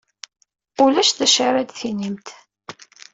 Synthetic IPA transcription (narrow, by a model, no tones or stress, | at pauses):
ʊlæʃðæʃaɾæd̪θinimt̪